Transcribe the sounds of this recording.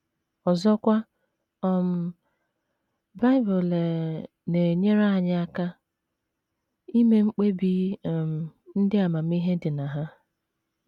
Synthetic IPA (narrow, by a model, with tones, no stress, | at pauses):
ɔ˨zɔ˦kʷa˦ | ɔ˦˨m̩˦ | ba˦ɪ˦bʊ˨le˨ | ne˨ɲe˦ɾa˦a˨ɲa˦a˦ka˦ | i˦me˦ŋ͡m̩˦k͡pe˦bi˦˨m̩˨n̩˦dɪ˦a˨ma˨m̩˦i˦ɦe˦dɪ˨na˨ɦa˦